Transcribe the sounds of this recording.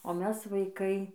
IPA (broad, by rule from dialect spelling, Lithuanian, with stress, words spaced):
oː ˈmʲɛs ʋɐɪˈkɐɪ